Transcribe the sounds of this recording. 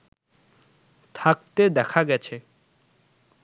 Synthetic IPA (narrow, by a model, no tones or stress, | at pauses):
t̪ʰak̚t̪ed̪ɛkʰaɡɛt͡ɕʰe